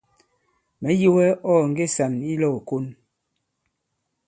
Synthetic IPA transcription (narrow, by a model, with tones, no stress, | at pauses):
mɛ˨˦ji˦wɛ˦ɔ˦˨ŋ̩˦ɡe˦˨sa˨ni˦lɔ˨ko˦n